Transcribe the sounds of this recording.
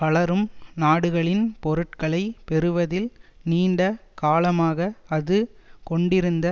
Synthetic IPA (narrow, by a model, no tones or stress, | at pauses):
pɐɭɐɾɯmnaːɽɯɣɐɭɪnpɔɾɯʈ̚kɐɭɐɪpɛɾɯʋɐðɪlniːɳɖɐkaːlɐmaːɣɐɐðɯkɔɳɖɪɾɯnd̪ɐ